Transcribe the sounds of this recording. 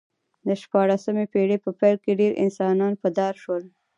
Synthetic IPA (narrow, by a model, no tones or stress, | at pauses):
d̪əʃpɑɽasamepeɽepəpɛjlkeɖeɾʔɪ̰nsɑnɑnpəd̪ɑɾʃwəl